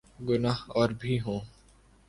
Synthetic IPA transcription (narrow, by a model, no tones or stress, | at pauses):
ɡʊnaːɦɔːɾbʱiːɦõː